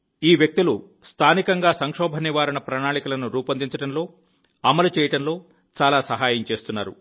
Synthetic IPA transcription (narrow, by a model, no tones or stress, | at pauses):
iːʋjɐk̚t̪ilu | st̪ʰaːnikɐŋɡaːsɐŋkʂɔːbʱɐnːiʋaːɾɐɳɐpɾɐɳaːɳikulɐnuɾuːpɐnd̪iɲt͡ʃɐɽɐnlo̞ː | ɐmɐlut͡ʃɛːjɐʈɐnlo̞ː | t͡ʃaːlaːsɐɦaːjɐmt͡ʃe̞ːst̪unːa̰ːɾu